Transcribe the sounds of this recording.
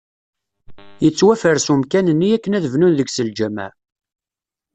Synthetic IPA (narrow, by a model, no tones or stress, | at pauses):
jət͡sːwæfəɾsumkænənːiækːənæðəvnunðəɡsəld͡ʒæmæ̰